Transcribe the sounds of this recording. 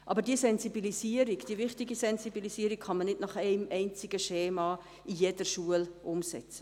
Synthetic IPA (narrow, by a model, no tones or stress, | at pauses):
ʔɑ̰bəɾdiːəsɛnzibilisiəɾiɡd̥iəvɪχtiɡisɛnsibilisiːəɾikχɑnmənɪdnɑχɛɪmɛɪnt͡sɪɡəʃeːmɑ | ijedəʃuəlʔʊmsɛ̰t͡sə̥